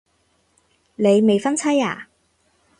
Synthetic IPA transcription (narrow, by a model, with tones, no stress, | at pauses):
le˨˧jme˨jfɐ˥nt͡sʰɐ˥jaː˨˩